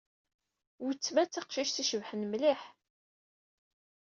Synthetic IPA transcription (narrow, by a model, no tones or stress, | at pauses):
wət͡sːmæt͡sːɑqʃiʃθiʃəvħənmliħ